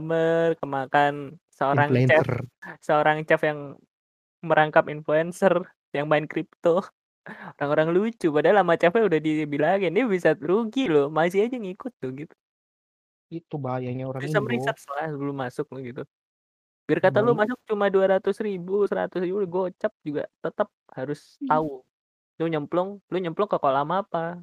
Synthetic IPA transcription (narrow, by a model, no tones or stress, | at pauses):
mərkəmakansəoɾaŋt͡ʃɛsəoɾaŋt͡ʃafjaŋ | məɾʔaŋkapinfluɛnsər | jaŋmaɪnkɾip̚t̪o | oɾaŋoɾaŋlut͡ʃupadalamat͡ʃafɛudahdibilaɡiɪndibisaɾuɡilomas̬iad͡ʒaŋikʊt̪̚ːʊhɡit̪u̥ | it̪ubajaɲaoɾaŋbŋiiaməɾisət̪̚səlahlʊmasʊk̚lʊhɡit̪u | bɪrkat̪alumasʊk̚t͡ʃumaduaɾat̪ʊsribusəɾa̰t̪ʊsribuɡuaot͡ʃap̚d͡ʒuɡa̰t̪ət̪əp̚haɾʊs | t̪aʊ | doɲəmplʊŋluɲəmplʊŋkəkolamapa